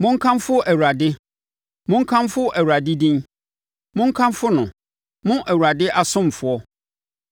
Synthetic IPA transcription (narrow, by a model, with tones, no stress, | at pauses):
mʊ̃˦ŋ̩˦kʰã˦mfʊ˦ʔæ˨wu˨ɾa˨dɪ˦ | mʊ̃˦ŋ̩˦kʰã˦mfʊ˦ʔæ˨wuɾa˨dɪ˦dĩ˦n | mʊ̃˦ŋ̩˦kʰã˦mfʊ˦nʊ̃˨ | mʊ̃˦ʔæ˨wu˨ɾa˨dɪ˦ʔa˨sʊ̃˦m˨fʊ˨ɔ˦